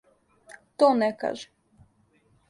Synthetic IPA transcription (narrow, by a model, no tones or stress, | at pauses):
t̪onɛka̰ʒɛ